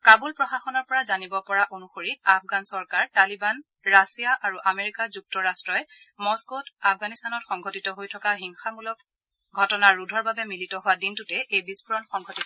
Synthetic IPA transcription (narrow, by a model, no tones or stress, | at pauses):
kabulpɹɔxaxɔnɔɹpɔɹazanibɔpɔɹaʔonuxoɹiap̚ʰɡansɔɹkaɹtaliban | ɹasijaʔaɹuʔameɹikazuk̚tɔɹastɹɔjɛmɔskotapʰɡanistanɔtxɔŋɡʱotitɔɦojtʰɔkaɦiŋxamulɔk̚ | ɡʱɔtɔnaɹudʱɔɹbabɛmilitɔɦʊwadintutɛʔejbispuɹɔnxɔŋɡʱɔtit